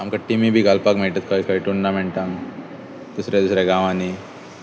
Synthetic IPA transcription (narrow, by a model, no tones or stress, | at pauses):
amkaʈimibʱiːɡʱalpakm̤eɭʈ̪at̪̚kʰaikʰaiʈunːamɛɳʈ̪ãŋ | d̪usɾed̪usɾeɡãʋãni